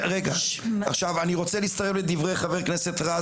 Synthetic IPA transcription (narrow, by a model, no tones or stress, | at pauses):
ʁeɡaaχʃavaniʁo̞t͡seliist̪aʁevled̪ivʁe̞jχave̞ʁknese̞t̪ʁa